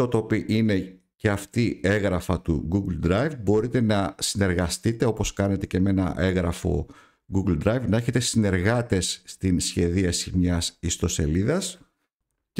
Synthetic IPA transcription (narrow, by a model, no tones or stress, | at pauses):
ot̪opiʔine̞ | ce̞ɐft̪ie̞ɣɾɐfɐt̪ṵɡuɡld̪ɾɐjvbo̞ɾit̪e̞nɐsine̞ɾɣɐst̪it̪e̞o̞po̞skɐne̞t̪e̞ceme̞nɐ̰ʔe̞ɣɾɐfo̞̰ | ɡuɡld̪ɾɐjvnɐe̞çe̞t̪e̞sine̞ɾɣɐt̪e̞sːt̪insçe̞ðiɐsimɲɐsist̪o̞seliðɐs